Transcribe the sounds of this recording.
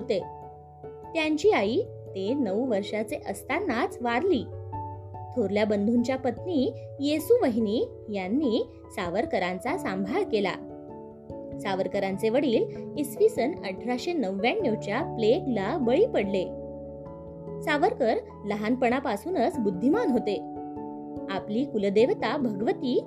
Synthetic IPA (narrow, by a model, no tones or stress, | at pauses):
ɦot̪e | t̪jaɲt͡ɕiːaiː | t̪enəʋʋəɾʂat͡seʔəst̪anːat͡sʋaɾliː | t̪ʰoɾljabənd̪ʱuɲt͡ɕjapət̪niːjesuʋəɦiniː | janːiː | saʋəɾkəɾãnt͡sasambʱaɭkela̰ | saʋəɾkəɾãnt͡seʋəɽiːlisʋisənəʈʰɾaɕenəʋːjaɳːjewt͡ɕjapleklabəɭiːpəɽle | saʋəɾkəɾ | ləɦanpəɳ̃apasuːnət͡sbud̪ʱːimanɦot̪e | apliːkuləd̪eʋt̪abʱəɡʋət̪iː